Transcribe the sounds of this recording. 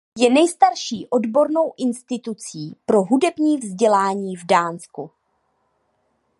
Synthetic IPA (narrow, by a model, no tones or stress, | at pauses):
jɛnɛjst̪aɾʃiːʔo̞dbo̞ɾno̞wʔɪnst̪ɪt̪ut͡siːpɾo̞ɦudɛbɲiːvzɟɛlaːɲiːvdaːnsku